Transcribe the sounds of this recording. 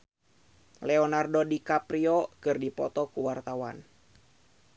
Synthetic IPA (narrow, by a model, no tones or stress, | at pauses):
lɛɔnardodikapɾiɔkɨrdipɔ̰t̪ɔkuwart̪awa̰n